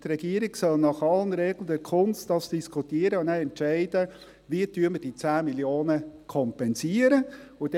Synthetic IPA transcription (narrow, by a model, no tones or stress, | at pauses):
t̪ɾɛɡ̥iəɾiɡ̥sœlnɑχɑlənɾɛɡlədɛɾkʰʊnstd̥ɑsd̥iskʰutiəɾəʊnæɛntʃɛɪd̥ə | ʋiətyːəməd̥it͡sæːmiljoːnəkʰɔmpɛnsiəɾəʊd̥